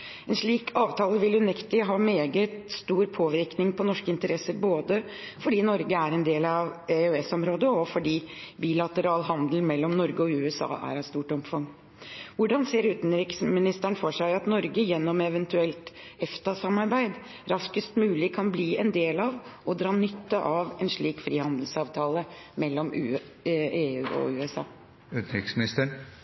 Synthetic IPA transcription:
ɛnʂɭiːkʰɑːʋt̪ʰɑːləʋɪlʉnɛkt̪ɪɦɑːmeːɡət̪st̪uːɾpʰoːʋɪɾknɪŋpʰɔnɔʂkəɪnt̪əɾɛsəɾboːd̪ə | fɔɖiːnɔɾɡəæɾɛnd̪eːlɑʋeøːɛsɔmɾoːd̪əɔfɔɖiːbiːlɑt̪əɾɑːlɦɑnd̪əl̩mɛlːɔmnɔɾɡəɔʉːɛsɑ̰ːʔæ̰ɾɑst̪uːʈɔmfɑŋ | ʋʊɖɑnseːɾʉːt̪n̩ɾɪksmɪnɪst̪æɳfɔʂæɪɑt̪nɔɾɡəjɛnːɔmɛʋɛnt̪ʉɛlt̪ | ɛft̪ɑsɑmɑɾbæɪd̪ | ɾɑskəst̪mʉːlɪkʰɑnbliːɛnd̪eːlɑʋɔd̪ɾɑːnʏt̪ːəʔɑʋɛnʂɭiːkfɾiːhɑnd̪l̩sɑːʋt̪ʰɑːlə | mɛlːɔmː | eːʉːɔ̰ʉːɛsɑ̰ː | ʉːt̪n̩ɾɪksmɪnɪst̪əɳ

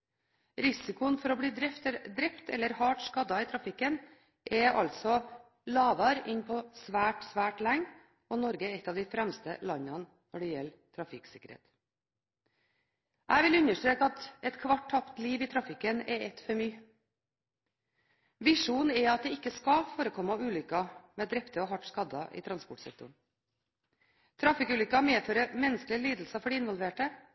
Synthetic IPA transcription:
ɾɪsɪkʊənfɔɾɔːbliːd̪ɾɛpt̪ɛd̪ɾɛpt̪ɛ̰lːəɾhɑːʈskɑd̪ɑiːt̪ʰɾɑfɪkːən | ʔɛʔɑ̰lt̪sɔ | lɑːʋɑɾɪnpʰɔsʋæːʈsʋæːʈlæŋ | ɔnɔɾɡəɛɛt̪ːɑʋd̪ɪfɾæmst̪ə̰lɑnːɑn | nɔɖɛjɛl | t̪ʰɾɑfɪksɪkəɾhḛːt̪ | ʔæɪʋɪlʉnəʂʈɾeːkəɑt̪ɛt̪kʰʋɑʈ̚ʰːɑpt̪liːʋiːt̪ʰɾɑfɪkənɛɛt̪fɔɾmyː | ʋɪʂuːnɛɑt̪̚d̪ɛɪkːəskɑfoːɾəkʰɔmːɑʉːlʏkːɑmɛːd̪ɾɛpt̪əɔːɦɑʈskɑd̪ɑʔḭːt̪ʰɾɑnspɔʈsɛ̰k̚t̪ʊɳ | t̪ʰɾɑfɪkʉːlʏkːɑmeːføːɾəmɛnəsklɪəliːd̪l̩sɑfɔɖɛɪnʋɔlʋeːʈə

